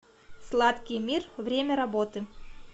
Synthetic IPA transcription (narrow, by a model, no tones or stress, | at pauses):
slˠat̪kʲɪjmʲirvɾʲemʲəɾɐbot̪ɨ